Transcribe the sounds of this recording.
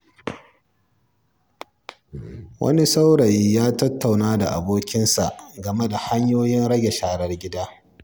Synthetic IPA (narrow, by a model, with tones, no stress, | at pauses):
wʔɐ̰˦ni˦sa˦wɽɐ˨jjaː˦tɐ˦tːa˨wnaː˦da̰˨ʔa̰˨boː˦kʲɪ˦nsa˨ʔɡɐ˨me˦da˨ha˦ɲjoː˦jɪ˦nɽɐ˦ɡʲe˨ʃaː˨ɽɐ˦rɡʲɪ˦daː˦